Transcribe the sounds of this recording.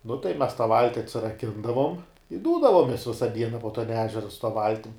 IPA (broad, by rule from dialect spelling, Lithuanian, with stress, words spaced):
nʊ tɐɪ mʲɛs tɑː ˈʋɐlʲtʲɪ ɐtʲsʲɪrɐˈkʲɪndɐʋoːm ɪ ˈduːdɐʋoːmʲɛs ˈʋʲɪsɐ ˈdʲiɛnɐ poː tɐn ˈæːʒʲɛrɐ sʊ tɐ ˈʋɐlʲtʲɪm